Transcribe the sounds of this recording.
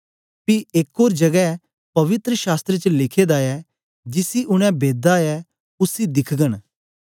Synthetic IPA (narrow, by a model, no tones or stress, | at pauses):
piɪkoːɾd͡ʒɐɡɛ | pɐʋɪt̪ɾəʃaːst̪ɾet͡ʃlɪkʰeːd̪aɛ | d͡ʒɪsiʔʊɽ̃ɛ̃beːd̪aɛ | ʊsid̪ɪkʰɡəñ